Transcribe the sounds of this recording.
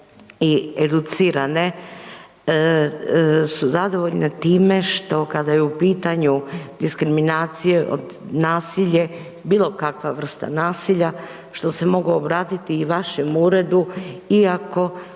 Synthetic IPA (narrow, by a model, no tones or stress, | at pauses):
ied̪ut̪siːɾane̞ | suzad̪o̞ʋo̞ʎnet̪iːme̞ʃt̪o̞kad̪ajeupiːt̪aɲud̪iskɾiminaːt̪sije̞ʔo̰d̪ | naːsiʎe | biːlˠo̞kakʋaʋr̩st̪a̰naːsiʎa | ʃt̪o̞se̞mo̞ɡuobɾaːt̪it̪iːʋaʃemuːɾe̞d̪uiako̞